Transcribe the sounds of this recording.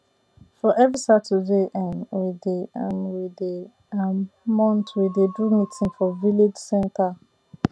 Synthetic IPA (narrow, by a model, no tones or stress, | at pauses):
fɔʔɛvɹisatudeʔãnwideãnwide | ammɔ̃ntwidedumitʰĩnfɔviled͡ʒsɛ̃ntʰa